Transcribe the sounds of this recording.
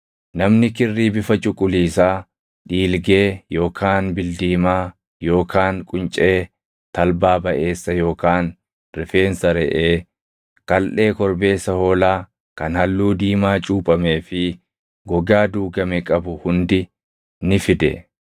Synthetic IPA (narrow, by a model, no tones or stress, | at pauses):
nɐmnɪkɪrːiːbɪfɐt͡ʃʼʊkʼːʊliːsaː | ᶑiːlɡeːjo̞ːkʰaːnbɪld̪iːmaː | jo̞ːkaːnkʼʊnt͡ʃʼe̞ː | t̪ɐlbaːbɐʔe̞ːsːɐjo̞ːkaːn | ɾɪfe̞ːnsɐɾɛʔeː | kɐlʔe̞ːkɔɾbe̞ːsːɐhoːlaː | kɐnhɐlːuːd̪iːmaːt͡ʃʼuːpʼɐme̞ːfɪ | ɡɔɡaːd̪uːɡɐmɛkʼɐbʊhʊnd̪ɪ | nɪfɪd̪ɛ̰